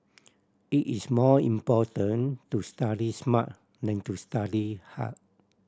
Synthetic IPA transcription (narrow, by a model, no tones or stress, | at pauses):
iʔismɔlḭ̃mpɔtənt̪ust̪adisma̰ʔ | nãnt̪ust̪adiha̰ʔ